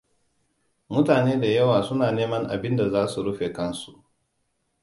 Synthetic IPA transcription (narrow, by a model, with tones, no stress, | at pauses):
mʊ˦taː˨neː˦da˨jɐ˦waː˨sʊ˦naː˨neː˦mɐ˦ŋʔa̰˨bɪ˦nda˨zaː˦su˨ɽʊ˦ɸe˨kɐ˦nsu˨ʔ